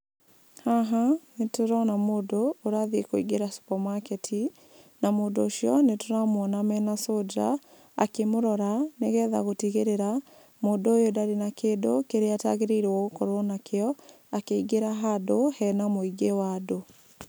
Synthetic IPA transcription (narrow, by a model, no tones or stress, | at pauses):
haɦanetoɾɔnamoːdoːɾaðekoiɡeɾaso̥pɔmakɛtʰi | namoːndoːʃjɔnetoɾamwɔnamɛnasod͡ʒa̰ | a̰kemoɾɔɾaneɣɛːða̰ɣotiɣeɾeɾa | moːdoojodaɾenakeːdokeɾeataɣeɾeiɾwɔɣokɔɾwɔnakeɔ | akeiɡeɾaɦadohɛnamoiɡewaːdo